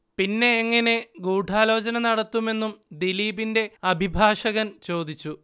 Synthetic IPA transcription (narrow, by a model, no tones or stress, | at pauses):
pinːe̞ːŋːɐne̞ɡuːɖʱaːlo̞ːd͡ʑɐnɐnɐɽɐt̪ːume̞nːumd̪iliːbinde̞ɐbʱibʱaːʂɐɣɐnt͡ɕo̞ːd̪it͡ɕːu